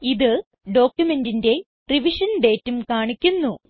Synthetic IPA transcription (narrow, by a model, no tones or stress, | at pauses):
iðɨ | ɖo̞ːkʲjume̞ndinde̞ | riʋiʂɐnɖe̞ːtːumkaːɳikʲːunːu